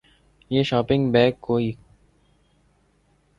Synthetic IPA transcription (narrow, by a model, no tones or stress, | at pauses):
jeːʃaːpɪ̃ŋɡbɛːkkːoːiː